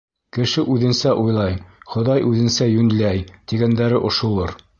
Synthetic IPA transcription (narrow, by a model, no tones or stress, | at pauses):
kɘ̆ʃɘʔʉðɘ̆nsæʔujlˠɑjχŏd̪ɑjʔʉðɘ̆nsæjʉnlæjt̪iɡænd̪æɾɘʔŏʃŭlˠɤɾ